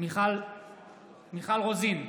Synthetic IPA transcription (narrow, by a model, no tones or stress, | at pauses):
miχal | miχalʁozin